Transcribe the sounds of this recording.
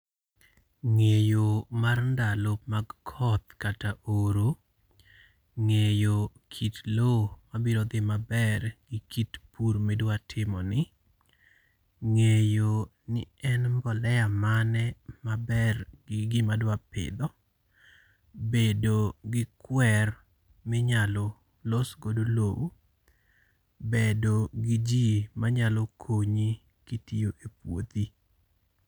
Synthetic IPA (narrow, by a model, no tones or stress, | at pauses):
ŋejomarndalop̚maɡkʰɔt̪kataʔoɾo | ŋejokʰitlomabiɾɔd̪ɪmabɛrɡ̥ɪkʰitpuɾmedwatʰɪmɔ̰nɪ | ŋejo | nɪ̰ɛnbɔlɛjamanɛmabɛrɡɪɡɪmadwapɪ̰d̪ɔ | bedoɡɪkwɛr | mɪɲalɔ | losɡodolow | bedoɡid͡ʒimaɲalɔkʰoɲi | kitijoʔepwo̰t̪i